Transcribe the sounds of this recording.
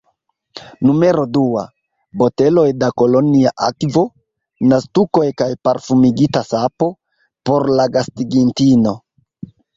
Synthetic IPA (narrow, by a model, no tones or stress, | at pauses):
nume̞ɾo̞dua̰ | bo̞te̞lo̞jdako̞lo̞niaʔakvo̞ | nastuko̞jkajpaɾfumiɡitasapo̞ | po̞ɾlaɡastiɡintino̞